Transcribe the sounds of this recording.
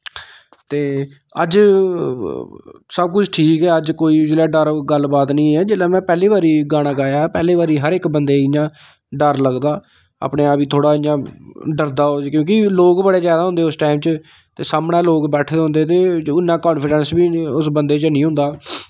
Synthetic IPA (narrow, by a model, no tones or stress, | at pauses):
t̪eː | ə̰d͡ʒ | səb̚k̬ʊt͡ʃʰʈʰiːkɛːəd͡ʒkoːiːd͡ʒeːlaːɖəɾɡəlbaːt̪nĩːɛːd͡ʒeːlaːmɛ̃ːpɛːliːʋaːɾiːɡaːɽ̃aːɡaːjaːpɛːliːʋaːɾiːɦəɾɪkbənd̪eːɪjãː | ɖəɾləɡd̪aː | a̰ːpɳẽːaːpiːt̪ʰoːɽaːɪjãːɖəɾd̪aːod͡ʒkjõːkɪloːkbəɽeːzjaːd̪aːɦʊ̃nd̪eːʊsʈaːɪmt͡ʃə | t̪eːsaːmɽɛ̃ːloːkbɛːʈʰd̪eːɦʊ̃nd̪eːt̪̬eːʊnːãːkɔːnpʰɪɖɛnsbiːʊsbənd̪eːt͡ʃnĩːɦʊ̃nd̪aː